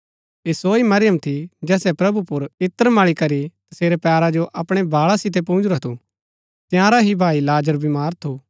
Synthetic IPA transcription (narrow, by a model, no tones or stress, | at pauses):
esoːimɐɾɪjəmt̪ʰid͡ʒɛːsɛpɾɐbupʊɾɪt̪ːəɾmaɭikɐɾit̪ɐseːɾepɛːɾad͡ʒoʔɐpɽ̃ebʱaːɭasɪt̪̬ep̬õnd͡ʒɾɐt̪ʰo | t̪jãːɾaɦibʱaːilaːd͡ʒəɾbʱimaːɾt̪ʰoː